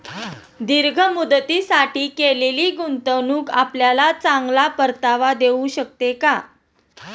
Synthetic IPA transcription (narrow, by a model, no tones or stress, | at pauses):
d̪iɾɡʱəmud̪ət̪isaʈiːkeleliːɡunt̪əʋnuːkapljalat͡saŋɡlapəɾt̪aʋad̪euɕək̚t̪eka